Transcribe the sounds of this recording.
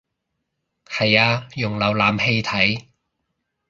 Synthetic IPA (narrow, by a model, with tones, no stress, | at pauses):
hɐ˨˩jaː˧jʊ˨˩ŋlɐ˨˩wlaː˨mhe˧jt̪ʰɐ˨˥j